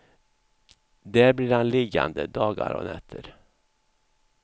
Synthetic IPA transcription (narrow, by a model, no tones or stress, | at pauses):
d̪æɾbliːɾhanlɪɡa̰nd̪əd̪ɑːɡaɾɔ̰nɛt̪ʰːəɾ